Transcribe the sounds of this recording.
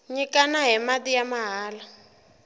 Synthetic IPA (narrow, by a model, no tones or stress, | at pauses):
ɲikanaɦɛmadijamaɦaːla